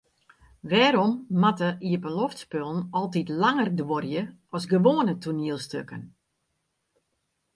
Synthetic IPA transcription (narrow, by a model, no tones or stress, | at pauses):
ʋɛːɾɔmːatəiəbəlɔftspølˠn̩ɔlˠtitlaŋərdworjəɔsɡəʋoːənətʰuniəlˠstøkən